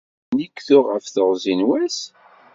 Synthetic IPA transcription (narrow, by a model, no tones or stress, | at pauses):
nikθʊʁəfθəʁzinwæs